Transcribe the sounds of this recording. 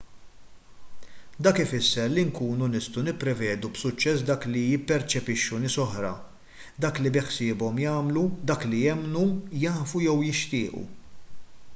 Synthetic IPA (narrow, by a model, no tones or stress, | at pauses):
d̪ɐːkɪfɪsːɛɾliŋkuːnunɪst̪ɐwnɪpːɾɛvɛːd̪ubsʊt͡ʃːɛs̬d̪ɐːklijɪpːɛɾt͡ʃɛpɪʃːunɪːsɔħɾɐ̰ | d̪ɐːklibɪħsɪːbɔmjɐːmlud̪ɐːklijɛmnujɐːfujɛwjɪʃt̪ɪːʔṵ